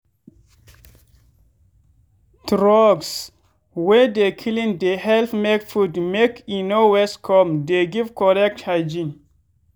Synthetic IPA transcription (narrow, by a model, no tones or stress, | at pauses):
tɾɔɡs | wɛdekʰilĩŋdehɛlθmekfudmekinowɛskʰɔmdeɡivkɔɾɛk̚thad͡ʒĩn